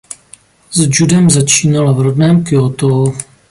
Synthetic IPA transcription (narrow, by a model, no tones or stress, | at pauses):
zd͡ʒudɛmzat͡ʃiːnalavɾodnɛːmkɪot̪ow